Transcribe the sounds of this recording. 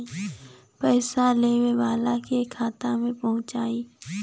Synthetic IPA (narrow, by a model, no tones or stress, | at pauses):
pɛːsaleːweʋaːlakekʰaːt̪amẽpɐɦʊ̃t͡ʃaːiː